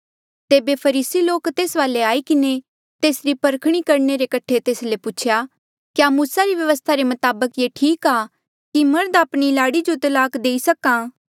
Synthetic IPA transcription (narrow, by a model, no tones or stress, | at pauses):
t̪eːbepʰɐɾiːsiloːkt̪eːsʋaːleaːikɪne | t̪eːsɾipɐɾkʰɽ̃ikɐɾɳeɾekɐʈʰet̪eːslepʊt͡ʃʰja | kjaːmuːsaɾiʋjɐʋəst̪ʰaɾemɐt̪aːbəkjeːʈʰiːkaː | kimɐɾd̪aːpɽ̃ilaːɽid͡ʒot̪ɐlaːkd̪eːisɐkãː